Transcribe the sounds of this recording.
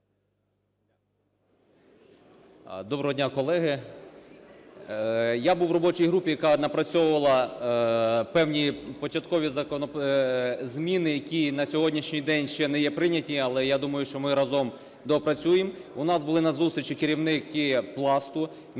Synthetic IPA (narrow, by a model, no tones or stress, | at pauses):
d̪ɔbɾɔɦɔdʲnʲakɔlˠɛɦɪ | jabuwrɔbɔt͡ʃijɦɾupʲijɐkɑnɐpɾɐt͡sʲɔwʊʋɐlˠɐ | pɛwnʲipɔt͡ʃɐt̪kɔʋʲizɐkɔnɔ | zmʲinɪjɐkʲinɐsʲɔɦɔdʲnʲiʃnʲijd̪ɛnʲʃt͡ʃɛnɛjɛpɾɪnʲɐtʲiɐlˠɛjad̪umɐjʊʃt͡ʃɔmɪɾɐzɔm | d̪ɔpɾɐt͡sʲujemʊnɑzbʊlˠɪnɐzust̪ɾʲt͡ʃikɪɾʲiwnɪkɪplˠɑst̪ʊ